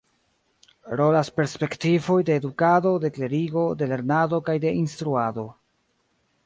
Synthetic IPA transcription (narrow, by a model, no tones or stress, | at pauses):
ɾo̞laspe̞ɾspe̞ktivo̞jde̞ːdukado̞de̞kle̞ɾiɡo̞de̞le̞ɾnado̞kajde̞instɾuado̞